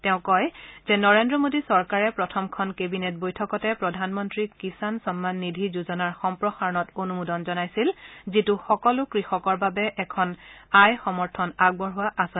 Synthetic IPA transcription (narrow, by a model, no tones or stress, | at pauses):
tɛʊ̃kɔjzɛnɔɹendɹɔmodisɔɹkaɹɛpɹɔtʰɔmkʰɔnkebinet̚bojtʰɔkɔtɛpɹɔdʱanmɔntɹikisansɔmːanːidʱizuzɔnaɹxɔmpɹɔxaɹɔnɔtonumudɔnzɔnajsilzituxɔkɔlʊkɹixɔkɔɹbabɛʔɛkʰɔnajxɔmɔɹtʰɔnaɡ̚bɔɹɦʊwaʔasɔ